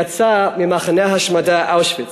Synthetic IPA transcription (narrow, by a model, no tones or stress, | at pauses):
at͡samimaχanɛɦaʃmadaʔaʊʃvɪ